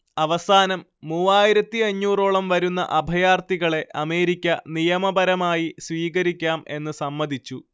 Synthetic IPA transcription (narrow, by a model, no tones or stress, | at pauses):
ɐʋɐsaːnɐmːuʋaːjiɾɐt̪ːiɐɲːuːroːɭɐmʋɐɾunːɐ̰ʔɐbʱɐjaːrt̪iɣɐɭe̞ʔɐme̞ːɾikʲːɐnijɐmɐbɐɾɐmaːjisʋiːɣɐɾikʲːaːme̞nːɨsɐmːɐd̪ʱit͡ɕːu